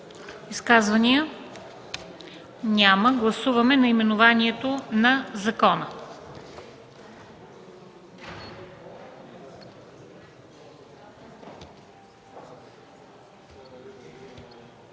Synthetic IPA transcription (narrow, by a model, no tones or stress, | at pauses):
iskazvɐniə | nʲaməɡlˠɐsuvɐmɛnɐimɛnʊvaniɛt̪onɐzɐkɔnə